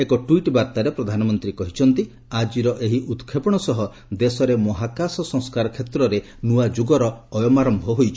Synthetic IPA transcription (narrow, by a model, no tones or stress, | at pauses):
ekɔʈwiʈbaɾt̪aɾepɾɔd̪ʱanɔmɔnt̪ɾikɔɦit͡ʃʰɔnt̪i | ad͡ʒiɾɔʔeɦiʔut̪kʰepɔɽ̃ɔsɔɦɔ | d̪esɔɾemɔɦakasɔsɔ̃ŋskaɾɔkʰet̪ɾɔɾe | nuad͡ʒuɡɔɾɔːjɔmaɾɔmbʱɔɦojt͡ʃʰɔ̥